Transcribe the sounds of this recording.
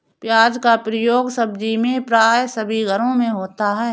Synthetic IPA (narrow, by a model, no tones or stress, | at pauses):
pjaːd͡ʒkapɾəjoːɡsəb̚d͡ʒimẽpɾaːjsəbʱiɡʱəɾõmẽɦoːt̪aɦɛː